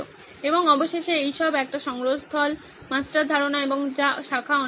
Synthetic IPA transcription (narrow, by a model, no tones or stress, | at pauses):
o | eboŋɔboʃeʃeejʃɔbɛk̚ʈaʃɔŋɾost̪ʰɔl | masʈɾad̪ʱaɾonaeboŋd͡ʑaʃakʰaɔ